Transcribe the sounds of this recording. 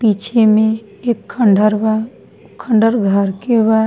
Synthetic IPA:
piːt͡ʃʰemẽ | eːkʰːəɳɖəɾ | kʰə̃ɳɖəɾɡʱəɾkeʋa

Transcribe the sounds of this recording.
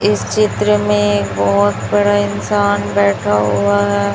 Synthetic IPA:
ɪst͡ʃɪt̪ɾəmẽeːkbɔɦʊt̪bɐɽaɪnsaːnbɛːʈʰaɦuaɦɛː

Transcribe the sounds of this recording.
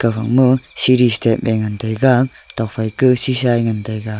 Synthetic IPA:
kavaŋmɯsiɾistep̚meŋantajɡa | tak̚fajkɯsisajŋantajɡa

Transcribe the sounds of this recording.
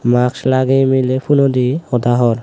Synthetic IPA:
makslaɡɛmilepʰunɔd̪iɔd̪aɦɔɾ

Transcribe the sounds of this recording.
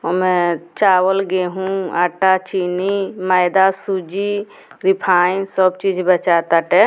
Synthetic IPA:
omɛ̃t͡ʃaːwəlɡeɦũaːʈat͡ʃiːniməjd̪asud͡ʒi | ɾipʰaːj̃nsəb̚t͡ʃid͡ʒbət͡ʃaːt̪aʈɛ

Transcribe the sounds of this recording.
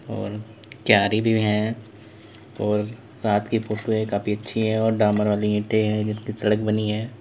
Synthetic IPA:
ɔ̰ːɾ | kjaːɾibʱiɦɛ̃ | ɔːɾː | aːt̪kifoːʈoekaːfiɐtːʃʰiɦɛ̃ɔːɾɖaːməɾʋaːliɦɪ̃ːʈʰeɦɛ̃d͡ʒɪskisɐɽəkbɐniɦɛː

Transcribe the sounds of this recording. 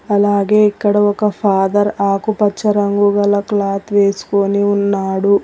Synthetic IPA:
ɐlaːɡe̞ːikːɐɽɐɔkɐpʰaːd̪ɐɾaːkupɐt͡ʃːɐɾɐŋɡuɡɐlɐklaːt̪ʋe̞ːsu̥koniunːaːɽu

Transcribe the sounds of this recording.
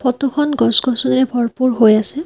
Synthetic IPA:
pʰɔtoxʰɔnɡɔsɡɔsɔnɹɛbʱɔɹpuɹɦojasɛ

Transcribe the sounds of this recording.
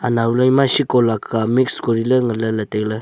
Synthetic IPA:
anawlajmasikɔlakʰːamikskoɾiləŋələləteklɯ

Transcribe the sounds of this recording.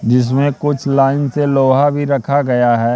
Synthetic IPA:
d͡ʒɪs̬mẽkʊt͡ʃʰlaːɪnseloːɦabʱiɾɐkʰaɡɐjaɦɛː

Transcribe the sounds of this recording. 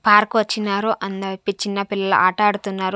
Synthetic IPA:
paːɾkuʋɐt͡ʃːinaːɾuʔɐnd̪ɐpit͡ʃːinːɐpilːɐlɐ̰ʔaːʈɐːɽut̪unːaːɾu

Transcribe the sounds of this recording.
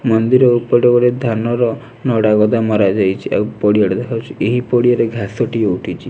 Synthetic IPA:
mɔnd̪iɾɔupɔɖɔɡɔɾed̪ʱanɔɾɔ | nɔɽaɡɔd̪amɔɾad͡ʒajt͡ʃʰiʔa̰wpɔɽijaɽɔd̪ekʰawt͡ʃʰieɦipɔɽijaɾeɡʱasɔʈieuʈʰit͡ʃʰi

